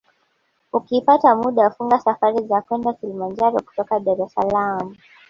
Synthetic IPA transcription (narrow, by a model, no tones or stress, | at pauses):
ukipatamuɗafuŋɡasafaɾizakwɛndakilimand͡ʒaɾɔku̥tɔkaɗaɾɛsalamu